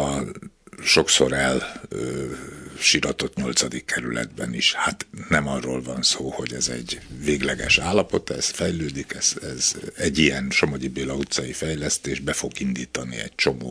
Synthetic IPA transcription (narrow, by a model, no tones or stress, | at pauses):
ɒ | ʃo̞kso̞̰ɾɛlø | ʃiɾɒt̪o̞t̪ɲo̞lt̪sɒd̪ikːɛɾylɛ̰d̪bɛ̰niʃhat̪nɛmɒrːoːlvɒnsoːho̞ɟɛzɛ̰ɟveːɡlɛɡɛ̰ʃaːlːɒpo̞t̪ɛ̰sfɛjløːd̪ikɛz̥ɛzɛɟijɛnʃo̞moɟibeːlɒut̪sɒjifɛjlɛst̪eːʒbɛfo̞ɡind̪iːt̪ɒnḭɛct͡ʃo̞mo̰ː